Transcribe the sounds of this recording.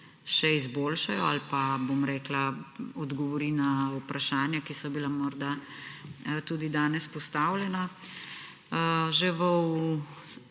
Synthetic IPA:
ʃɛizboːlʃajɔalpabomɾɛːklaɔd̪ɡɔʋɔɾinaupɾaʃaːnjakisɔbilamɔɾd̪a | t̪uːd̪id̪aːnɛspɔst̪aːwlʲjɛna | ʒɛʋəu

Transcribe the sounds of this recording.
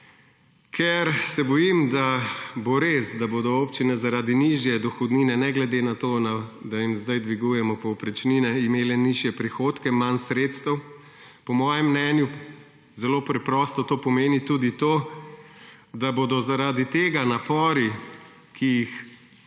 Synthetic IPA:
kʰɛɾsɛbɔjimd̪aboɾesd̪aboːd̪ɔoːpt͡ʃinɛzaɾaːd̪iniʒjɛd̪ɔxɔd̪niːnɛnɛɡlɛd̪enat̪onad̪ajimzd̪ajd̪ʋiɡujɛmɔpɔwpɾɛt͡ʃninɛimeːlɛniʒjɛpɾixoːt̪kɛmansɾeːt̪st̪ɐw | pɔmɔːjɛmːnɛːnju | zɛloːpɾɛpɾɔːst̪ɔt̪oːpɔmeːnit̪ud̪it̪oː | d̪aboːd̪ɔzaɾaːd̪it̪eːɡanapɔːɾi | kʰijix

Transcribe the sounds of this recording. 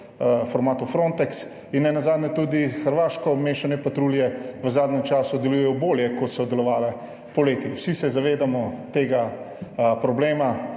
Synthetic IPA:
fɔɾmaːt̪ufɾont̪ɛks | inːɛnazaːd̪nʲɛt̪ud̪ixəɾʋaːʃkɔmeːʃanɛpat̪ɾuːljɛʋəzaːd̪nʲɛmt͡ʃaːsud̪ɛlujɛjɔboːljɛkɔt̪sɔd̪ɛlɔʋaːlɛ | pɔleːt̪iwsisɛzaʋeːd̪amɔt̪eːɡa | pɾɔbleːma

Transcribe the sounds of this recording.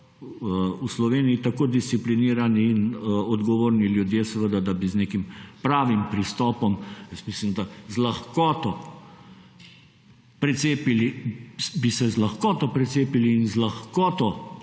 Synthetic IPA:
uslɔʋeːniit̪akoːd̪ist̪sipliniːɾaniːnɔd̪ɡɔʋoːɾniljud̪jeːsɛʋəd̪ad̪abizneːkimpɾaːʋimpɾist̪ɔːpɔmjəst̪mislimd̪azlaxkɔːt̪ɔ | pɾɛt̪seːpilibisɛzlaxkɔːt̪ɔpɾɛt̪seːpiliːnzlaxkɔːt̪ɔ

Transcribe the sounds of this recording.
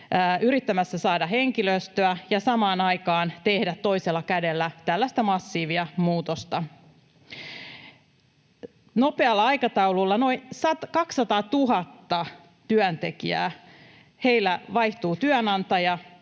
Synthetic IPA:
yɾit̪ːæmæsːæsɑːdɑheŋkiløst̪øæjɑsɑmɑːnɑjkɑːnt̪e̞hdæt̪ːo̞iselːɑkædelːæt̪ælːæst̪æmɑsːiːʋiɑmuːt̪ost̪ɑ | nopeɑlːɑɑjkɑt̪ɑwlulːɑno̞insɑt̪kɑksːɑt̪ɑːt̪uɦɑt̪ːɑ | t̪yœnt̪e̞k̟iæ̰ː | he̞jlːæʋɑjht̪uːt̪yœnɑnt̪ɑjɑ

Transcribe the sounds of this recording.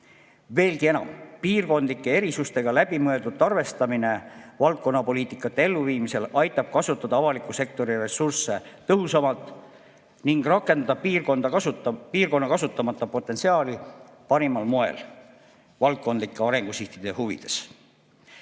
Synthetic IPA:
ve̞ːlɡie̞nɑ̰mpiːrko̞nd̪likːˑe̞e̞ɾisust̪e̞ɡ̥ɑlæb̥imøe̞ld̪ut̪ːˑɑrve̞st̪ɑmine̞vɑlt̪̚ko̞nːɑpo̞liːt̪ːˑikːˑɑt̪ːee̞lːuviːmise̞lɑjt̪ːˑɑb̥̚kɑsut̪ːˑɑd̪ɑɑvɑlikːˑuse̞k̚t̪o̞ɾire̞sursːe̞t̪ɤɦusɑmɑlt̪ˑ | niŋɡ̥rɑkːˑe̞nd̪̥ɑd̪ɑiːrkond̪̥ɑpiːrko̞nːɑkɑsut̪ːˑɑmɑt̪ːˑɑpo̞t̪ːˑensiɑːli | pɑɾimɑlmoe̞̰l | vɑlt̪̚ko̞nd̪likːˑeɑɾe̞ŋɡ̥usiht̪id̪̥e̞huvḭd̪̥e̞s

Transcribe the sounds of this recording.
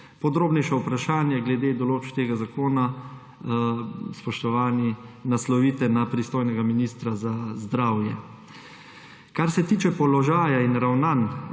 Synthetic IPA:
pɔd̪ɾoːbnɛjʃaupɾaʃaːnjaɡlɛd̪ed̪ɔloːt͡ʃkt̪eːɡazakoːna | spɔʃt̪ɔʋaːninaslɔʋiːt̪ɛnapɾist̪oːjnɛɡaminiːst̪ɾazazd̪ɾaːwjɛ | kaɾsɛt̪iːt͡ʃɛpɔlɔʒaːjainɾawnan

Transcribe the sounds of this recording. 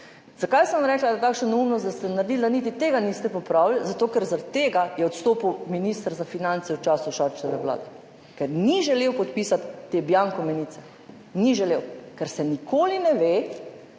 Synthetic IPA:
z̥akajsɛnamɾɛːklad̪at̪aːkʃnonɛumnɔst̪d̪ast̪ɛnaɾd̪ild̪anit̪it̪eːɡanist̪ɛpɔpɾaːwlzat̪oːkɛɾzaɾat̪t̪ːeːɡajɛɔt̪st̪oːpiwminist̪əɾzafinansɛwt͡ʃaːsuʃaɾt͡ʃɛʋɛʋla̰ːd̪ɛ | kɛɾniʒɛleːwpɔt̪piːsat̪ːebjaŋkɔmɛniːt̪sɛ | niʒɛlewkɛɾsɛnikʰoːlinɛʋeː

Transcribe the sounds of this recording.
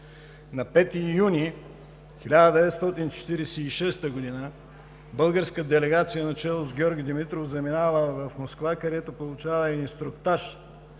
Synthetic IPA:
nɐpɛt̪ijunʲi | xilʲad̪əd̪ɛvɛt̪st̪ɔt̪int͡ʃɛ̥t̪iɾɛsɛiʃɛst̪əɡod̪inə | bɤlˠɡəɾskəd̪ɛlɛɡat̪sijənɐt͡ʃɛlˠʊzɡʲɔɾɡʲid̪imit̪ɾofzɐminavəvɐfmoskvakɐd̪ɛt̪opolˠʊt͡ʃavɐɛd̪inst̪ɾʊkt̪aʃ

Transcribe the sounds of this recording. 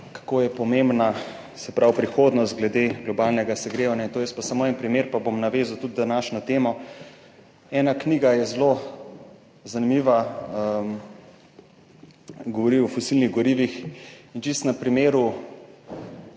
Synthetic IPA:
kḁkoːjɛpɔmembna | sɛpɾawpɾixoːd̪nɔst̪ɡlɛd̪eɡlɔbaːlnɛɡasɛɡɾeːʋanjaint̪oːjəst̪̚pasamoɛnpɾimeːɾpabomnaʋeːzawt̪ud̪d̪anaːʃnɔt̪eːmɔ | ɛːnakniːɡajɛzlo | zanimiʋaəm | ɡɔʋɔɾiɔfɔsiːlniɣɡɔɾiːʋixint͡ʃist̪nɛpɾimeːɾu

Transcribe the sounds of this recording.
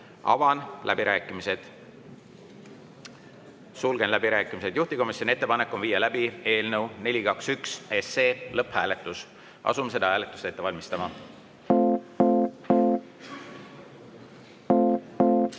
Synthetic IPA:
ɑ̰vɑnlʔæbiɾʔæːkːimised̪̥ | sulɡ̥e̞nlæbiɾæːkːˑimise̞d̪juht̪iko̞misʲjonie̞t̪ːe̞pɑnekːˑo̞nviːjːɑlæbie̞ːlnewne̞lʲikɑksykseseːlɤphæːle̞t̪ːˑus | ʔɑ̰sumese̞d̪ɑhæːle̞t̪ːˑu̥st̪e̞t̪ːeɑlʲmist̪ɑmɑ

